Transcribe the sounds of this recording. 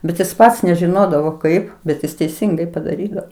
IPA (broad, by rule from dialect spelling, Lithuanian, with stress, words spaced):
ˈbʲɛt ˈjɪs ˈpɐts nʲɛʒʲɪˈnoːdɐʋoː ˈkɐɪp bʲɛt ˈjɪs tʲɛɪˈsʲɪŋɡɐɪ pɐdɐˈrʲiːdɐʋoː